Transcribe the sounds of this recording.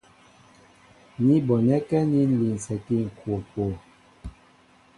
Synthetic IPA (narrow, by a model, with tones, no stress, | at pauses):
ni˦bɔ˨nɛ˦kɛ˦ni˦n̩˦li˨n̩˨sɛ˨ki˦˨ŋ̩˨kwo˨kwo˨